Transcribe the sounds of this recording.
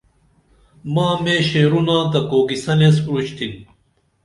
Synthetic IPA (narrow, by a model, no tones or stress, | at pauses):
maːmeːɕeːɾunãːt̪ɐkoːɡisɐnes̬ɾut͡ɕt̪ʰin